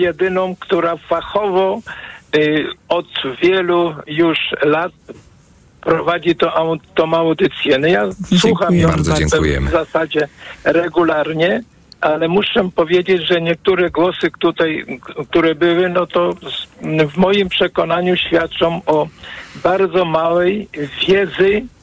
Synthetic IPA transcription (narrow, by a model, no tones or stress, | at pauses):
jɛd̪ɘnɔ̃w̃kt̪uɾafaxɔvɔ | ɔd̪vʲjɛlujuʂlat̪̚ | pɾɔvad͡ʑit̪ɔʔawt̪ːɔmawd̪ɘt̪sʲjɛnɔjaswuxamjɔ̃ãɛŋjɛ̰zasad͡ʑɛɾɛɡulaɾɲɛ | ʔalɛmuʂɛpɔvʲjed͡ʑed͡ʑʐɛɲɛk̚t̪uɾɛɡwɔsɘkt̪ut̪ajk̚t̪uɾɛbɘwɘnɔt̪ɔ | vmɔjimpʂɛkɔnaɲuɕfʲjat̪̚t͡ʂɔ̃wɔbaɾd̪zɔmawɛjvʲjɛd̪zɘ